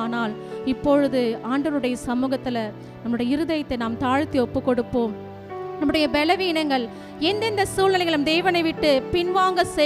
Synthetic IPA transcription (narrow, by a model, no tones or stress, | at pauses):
naːlɪpːɔɻɯðɯaːɳɖɐɾɯɽɐjɐsɐmuːɣɐt̪ːɪlɐ | nɐmːɯɭɯɽɐjɐɪɾɯðɐjɐt̪ːɐɪnaːmt̪aːɻt̪ːiɔpːɯkːɔɽɯpːoːm | nɐmːɯɽɐjɐbɛlɐʋiːnɐŋɡɐɭ | ɛnd̪ɛnd̪ɐsuːlɐnɐɪɣɐɭɐmd̪eːʋɐnɐɪʋɪʈːɯpɪnʋaːŋɡɐsɛ